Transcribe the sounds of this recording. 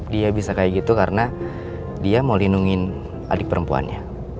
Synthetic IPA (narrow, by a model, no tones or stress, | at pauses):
diabisakajiɡit̪ukaɾəna | diamolinuŋɪn | a̰dɪk̚pəɾəmpua̰nɲa